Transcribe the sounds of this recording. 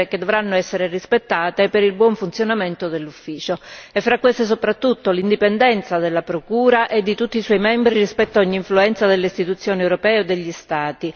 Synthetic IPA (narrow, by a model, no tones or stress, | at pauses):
k̟ed̪ːovɾanːoɛsːeɾerispet̪ːaːt̪epeɾilbwɔɱfunt̪sjonament̪od̪elːufːiːt͡ʃoefːɾakːwest̪es̬opɾat̪ːut̪ːolind̪ipend̪ɛnt̪sad̪elːapɾokuːɾaʔed̪ːit̪ut̪ːiswɔjmɛmbɾirispɛt̪ːaɔɲːiːɱfluɛnt̪sad̪elːeist̪it̪ut̪sːjoːniewɾopɛːod̪ːeʎːist̪aːt̪i